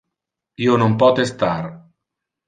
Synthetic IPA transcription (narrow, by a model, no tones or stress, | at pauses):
ionompɔt̪est̪ar